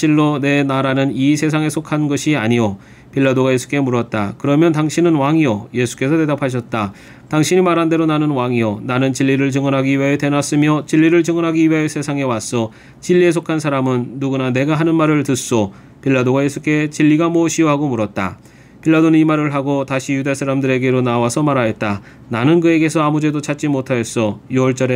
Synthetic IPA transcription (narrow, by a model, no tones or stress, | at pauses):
ɕʰiɭːone̞naɾanɯnisʰe̞sʰaŋe̞sʰokʰanɡʌɕʰiaɲijo | piɭːadoɡaje̞sʰu̥k͈e̞muɾʌt̚t͈a̰kɯɾʌmjʌntaŋɕʰinɯnwaŋijoje̞sʰu̥k͈e̞sʰʌte̞dapʰaɕ̬ʰʌt̚t͈a | taŋɕʰiɲimaɾɦande̞ɾonanɯnwaŋionanɯnt͡ɕiʎːiɾɯɭt͡ɕɯŋʌnɦaɡiɥajetenas͈ɯmjʌt͡ɕiʎːiɾɯɭt͡ɕɯŋʌnɦaɡiɥaesʰe̞sʰaŋe̞was͈ʌ | t͡ɕiʎːie̞s̬ʰokʰansʰaɾamɯnːuɡunane̞ɡaɦanɯnmaɾɯɭtɯs͈o | pʰiɭːadoɡajesʰuk͈e̞t͡ɕiʎːiɡamoɕʰiɦaɡomuɾʌt̚t͈a̰ | pʰiɭːadonɯnimaɾɯɭɦaɡotaɕʰijudasʰaɾamdɯɾe̞ɡe̞ɾonawasʰʌmaɾajet̚t͈a | nanɯnkɯe̞ɡe̞sʰʌamud͡ʑe̞dot͡ɕʰat̚t͡ɕ͈imotʰajʌs͈ʌjuwʌɭt͡ɕ͈ʌɾe